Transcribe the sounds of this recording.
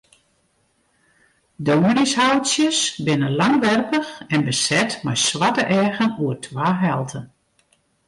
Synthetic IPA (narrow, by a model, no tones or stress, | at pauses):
doːmənɪshawtsjəsbɪnəlaŋʋɛrpəxɛnbəsɛtmɛjsʋatəʔɛːɣənuərtʰʋaːɦɛlˠtʰən